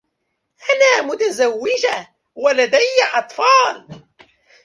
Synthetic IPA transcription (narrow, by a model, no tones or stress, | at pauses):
ʔanaːmʊt̪azawːɪd͡ʒa | walad̪ajːaʔɑt̪ˤfɑːl